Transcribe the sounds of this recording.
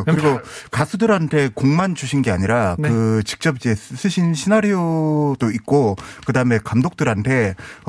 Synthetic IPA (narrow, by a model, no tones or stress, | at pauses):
kɯɾiɡokasʰudɯɾɦantʰe̞koŋmant͡ɕuɕʰinɡe̞a̰ɲiɾakɯt͡ɕi̥k̚t͡ɕ͈ʌbid͡ʑe̞sʰɯɕʰinɕʰinaɾiodoik̚k͈okɯdaɯme̞kamdok̚t͈ɯɾɦantʰe̞